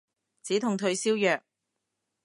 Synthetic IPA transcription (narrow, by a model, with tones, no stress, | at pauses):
t͡siː˨˥t̪ʰʊ˨ŋt̪ʰɵ˧ɥsiː˥wjœː˨k̚